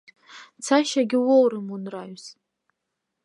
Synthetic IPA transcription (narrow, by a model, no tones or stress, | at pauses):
t͡sʰaʃaɡʲɪwowɾɨmunraɥz